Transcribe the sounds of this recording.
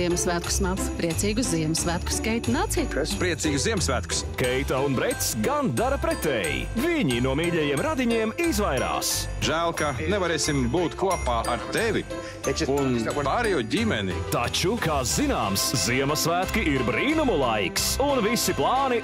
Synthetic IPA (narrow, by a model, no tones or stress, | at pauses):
iɛmsvæːt̪kʊ̥smaspɾiɛt̪siːɡʊsziɛmsvæːt̪̚ku̥skɛjt̪ʲnaːt̪siːt̪kpɾiɛt̪siːɡusziɛmsvæːt̪ku̥skɛjt̪aunbɾɛt̪sɡand̪aɾɐpɾɛt̪ɛ̰j̰ | viɲinuɔmiːʎʲɛjiɛmɾad̪iɲiɛmizvajɾa̰ːs | ʒæːlˠkanɛvaɾeːsimbuːt̪kuɔpaːʔaɾt̪ɛvi | unpaɾɛjɔɟʲimʲɛnḭt̪at͡ʃukaːzinaːmsziɛmɐsvæːt̪kiʔiɾbɾiːnumulˠajksunvisiplˠɑːni